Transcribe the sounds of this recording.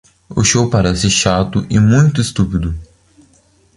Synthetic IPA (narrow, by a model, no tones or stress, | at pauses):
ʊ̰ʃowpaɾɛsɪʃat̪ʊʔɪmũj̃t̪ʊɪst̪upid̪ʊ